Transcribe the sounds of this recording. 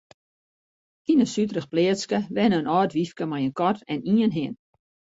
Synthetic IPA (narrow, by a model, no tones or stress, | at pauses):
inəsytrəxplɪətskəʋɛnəənɔːtʋifkəmajənkɔtʰɛniənɦɪən